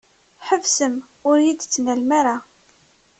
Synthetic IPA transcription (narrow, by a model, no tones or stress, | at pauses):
ħəvsəm | ʊɾjid̪t͡sːnælmaɾa